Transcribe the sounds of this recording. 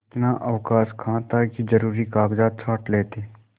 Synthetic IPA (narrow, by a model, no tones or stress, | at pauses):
t̪naːʔəʋkaːskʰãːt̪akid͡ʒəɾuːɾikaːɡd͡ʒaːt̪̚t͡ʃʰaːʈleːt̪eː